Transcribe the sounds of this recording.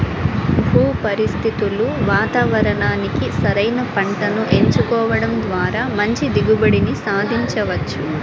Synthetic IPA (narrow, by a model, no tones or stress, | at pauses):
bʱuːpɐɾist̪ʰit̪uluʋaːt̪aːʋɐɾɐɳaːnikisɐɾɐjnɐpɐɳʈɐnuʔe̞ɲt͡ʃukɔːʋɐɽɐmd̪ʋaːɾaːmɐɲt͡ʃid̪iɡubɐɽinisaːd̪ʱiɲt͡ʃɐʋɐt͡ʃːu